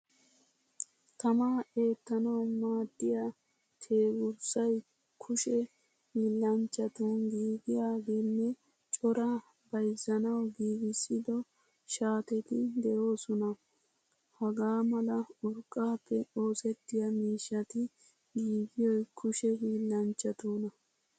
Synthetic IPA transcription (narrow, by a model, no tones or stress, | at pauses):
t̪ɐmaːe̞ːt̪ːɐnɐwmaːd̪ːɪja | t̪ʰe̞ːɡʊɾsɐj | kʰʊʃɛ | hiːlːɐnt͡ʃʼːɐt̪ɐnɡiːɡɪjaːɡenːɛ | t͡ʃʼɔɾa | bɐjzɐnɐwɡiːɡɪsːɪd̪ɔ | ʃaːt̪ɛt̪ɪd̪ɛʔo̞ːsɔnɐ | hɐɡaːmɐlɐʊɾkʼːaːpʰːɛo̞ːsɛt̪ːɪjɐmiːʃːɐt̪ɪ | ɡiːɡɪjɔjkʰʊʃɛhiːlːɐnt͡ʃʼːɐt̪uːnɐ